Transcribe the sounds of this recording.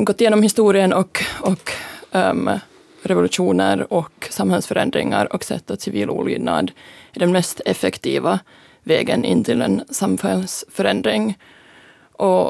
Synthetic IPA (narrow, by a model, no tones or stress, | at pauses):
ɡɔt̪ːɪjeːnɔmhɪst̪uːɾɪənɔkɔk | ɾɛvʊlʉʂuːnəɾɔksamhɛlsfœɾɛ̰nd̪ɾɪ̰ŋa̰ɾɔksɛ̰t̪ːat̪sɪviːlʔṵːly̰ːd̪na̰d̪ɪɖ̪ɛnmɛst̪ɛfɛkt̪ʰiːva | vɛːɡənʔɪ̰nːt̪ʰɪlɛ̰nsamfɛlsfœɾɛnd̪ɾɪŋ | ʔɔ